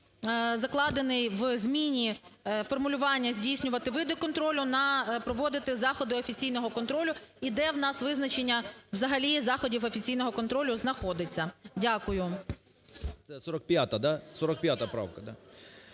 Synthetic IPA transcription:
zɐklˠɑd̪enɪjʋzmʲinʲifɔrmʊlʲʊʋɑnʲːɐzʲdʲijsʲnʲʊʋɐt̪ɪʋɪd̪ɔkɔnt̪ɾɔlʲʊnɐpɾɔʋɔd̪ɪt̪ɪzɑxɔd̪ɪɔfʲit͡sʲijnɔɦɔkɔnt̪ɾɔlʲʊid̪ɛwnɑsʋɪznɐt͡ʃenʲːɐʋzɐɦɐlʲizɑxɔdʲiwɔfʲit͡sʲijn̪ɔɦɔkɔnt̪ɾɔlʲʊznɐxɔd̪ɪt͡sʲːɐdʲakʊjʊ | t̪sɛsɔɾɐk̚pʲjat̪ɐd̪asɔɾɔk̚pʲjat̪ɐpɾa̰wkɐd̪a

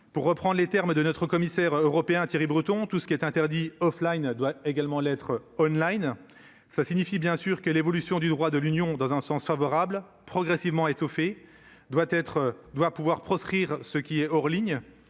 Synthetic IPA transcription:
puʁːəpχɑ̃d̪ʁlet̪ɛʁmd̪ənɔt̪χəkɔmisɛʁøʁɔpeɛ̃t̪jeʁibʁyt̪ɔ̃t̪usə̥kʲiɛt̪ɛ̃t̪ɛʁd̪iɔflajnd̪waeɡalmɑ̃lɛt̪χɔnlajn | slasiɲifibjɛ̃syʁkəlevɔlysjɔ̃d̪yd̪ʁwad̪əlynjɔ̃d̪ɑ̃zɛ̃sɑ̃sfavɔʁabl | pχɔɡʁɛsivmɑ̃et̪ɔfe | d̪wat̪ɛt̪χd̪wapuvwaʁpχɔskχiʁsəkʲiɛɔʁliɲ

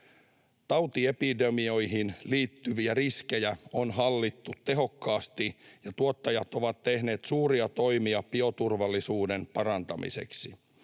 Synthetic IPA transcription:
t̪ɑwt̪iepidemio̞jɦinliːt̪ːyʋiæriske̞jæo̞nɦɑlːit̪ːut̪t̪ːe̞ɦo̞kːɑːst̪ijɑt̪uot̪ːɑjɑt̪o̞ʋɑt̪te̞hne̞ːt̪suːɾiɑt̪o̞jmiɑpio̞t̪urʋɑlːisuːde̞npɑɾɑnt̪ɑmḭse̞̰ksi

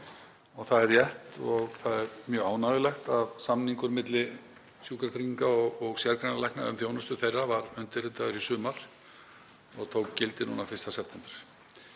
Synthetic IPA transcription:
ɔɣθaðɛɾjɛht̪ɔɣθaðɛɾmjœːɣaːwnaðɪlɛxt̪avsamniŋkʏɾmɪt̪lɪ | sjuːkalt̪ɾiiŋkaɔɔɣsjɛɾkɾanalajknaʏmθjownʏst̪ʏθejrːavaɾʏnt̪ɪɾɪt̪aɣʏɾisʏːmaɾ̥ | ɔɣt̪ʰoːwkcɪlt̪ɪnuːnafɪrst̪asɛp̚ʰt̪ʰɛmpɛɾ̥

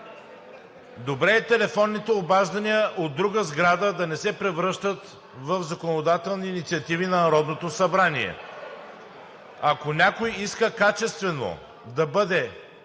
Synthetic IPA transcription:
d̪obɾɛːt̪ɛlɛfɔnːit̪ɛobaʒd̪ɐnʲijəʔod̪ːɾuɡəzɡɾad̪əd̪ɐnɛsɛpɾɛvɾɤʃt̪ət̪ | vəfzɐkonod̪at̪ɛlˠniːnit̪siɐt̪ivinɐnɐɾɔd̪not̪osɐbɾaniɛ̰ | ɐkonʲakojiskəkat͡ʃɛst̪vɛno̰ | d̪ɐbɤd̪ɛ

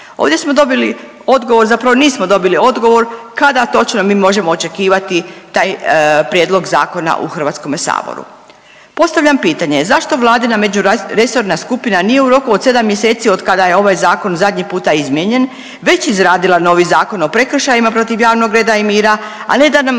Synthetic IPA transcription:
o̰ːʋd̪jesmod̪o̞bili | o̞d̪ɡo̞ʋo̞ɾzapɾaʋoniːsmod̪o̞bilio̞d̪ɡo̞ʋo̞ɾkad̪at̪o̞t͡ʃnomiːmo̞ʒe̞moːt͡ʃe̞kiːʋat̪it̪aːjpɾjeːd̪lˠo̞ɡza̰ːko̞na̰ʔṵxr̩ʋat̪sko̞mesa̰ːbo̰ɾṵ | po̞st̪aʋʎampiːt̪aɲe̞zaʃt̪o̞ʋlˠaːd̪inamed͡ʒuɾe̞so̞ɾnaskupinanije̞uɾo̞kuod̪se̞d̪amːjese̞ːt̪sio̞d̪kad̪aje̞o̞ʋajzaːko̞nzad̪ɲipuːt̪aizmjeɲe̞n | ʋe̞t͡ɕizɾaːd̪ilano̞ʋizaːko̞no̞pɾe̞kr̩ʃajimapɾo̞t̪iʋjaːʋno̞ɡɾe̞ːd̪aimiːɾa | a̰ne̞d̪anam

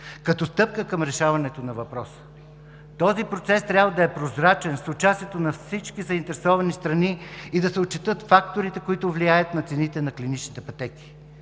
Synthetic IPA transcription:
kɐt̪ɔst̪ɤp̚kəkɐmɾɛʃavɐnɛt̪onɐvɐpɾɔsə̥ | t̪ɔzipɾot̪sɛst̪ɾʲabvəd̪ɐɛpɾozɾat͡ʃɛnsot͡ʃast̪ʲiɛt̪onɐfsit͡ʃkizɐint̪ɛɾɛsɔvɐnist̪ɾɐniid̪ɐsɛot̚t͡ʃːɛt̪ɤt̪fak̚t̪oɾit̪ɛkoit̪ʊvliajət̪nɐt̪sɛnit̪ɛnɐklinit͡ʃnit̪ɛpɐt̪ɛki̥

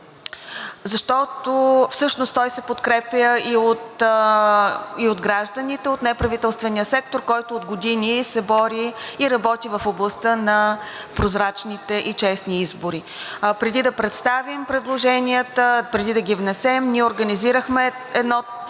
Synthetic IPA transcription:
zɐʃt̪ɔt̪ofsɤʃnost̪ɔjsɛpot̪kɾɛpjəiot̪ | iod̪ɡɾaʒd̪ənit̪ɛot̪nɛpɾɐvit̪ɛlˠst̪vɛnijəsɛk̚t̪oɾkɔjt̪oːd̪ɡod̪inisɛbɔɾiːɾɐbɔt̪ivɐfoblˠɐst̪ənɐpɾozɾat͡ʃnit̪ɛʔit͡ʃɛsniizboɾi | pɾɛd̪id̪ɐpɾɛt̪st̪avimpɾɛd̪lˠoʒɛnʲijət̪əpɾɛd̪id̪əɡʲivnɛsɛmniɛoɾɡəniziɾəxmɛ | ɛd̪nɔ

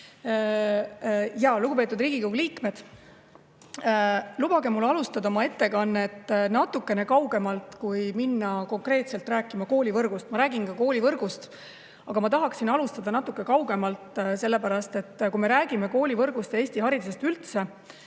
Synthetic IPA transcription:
jɑluɡ̥upe̞ːt̪ud̪riːɡ̥ikowɡliːkme̞d̪̥ | lub̥ɑɡe̞mulːɑlust̪ɑd̪ɑomɑe̞t̪ːe̞kɑnːet̪ːnɑt̪ːˑukːe̞ne̞kɑwɡe̞mɑlt̪kujminːɑko̞ŋkre̞ːt̪se̞lt̪ræːkːˑimɑko̞ːlʲivɤrɡ̥ust̪mɑɾæːɡ̥inɡɑko̞ːlʲivɤrɡ̥ust̪ | ɑɡ̥ɑmɑt̪ɑɦɑksinɑlust̪ɑd̪̥ɑnɑt̪ːˑukːˑekɑwɡ̥e̞mɑlt̪se̞lːe̞pæɾɑst̪e̞t̪ːkujme̞ɾæːɡ̥ime̞ko̞ːlʲivɤrɡ̥ust̪eːsʲt̪iɦɑɾid̪use̞st̪ylt̪se̞

